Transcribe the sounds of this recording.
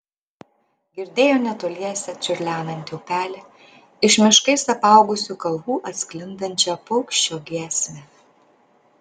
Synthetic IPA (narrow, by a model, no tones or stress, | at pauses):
ɡʲɪɾʲd̪ʲeːjoːnʲɛt̪oːlʲiɛsʲɛt͡ʃʲʊɾʲlʲæːnɐnʲt̪ʲoːpʲæːlʲɛ | ɪʃmʲɪʃkɐɪsɐpɐˑʊɡʊsʲuːkɐlˠɣuːʔɐt̪ʲsʲklʲɪnd̪ɐnʲt͡ʃʲɛpɔʊkʃʲt͡ʃʲoːɡʲɛsʲmʲɛ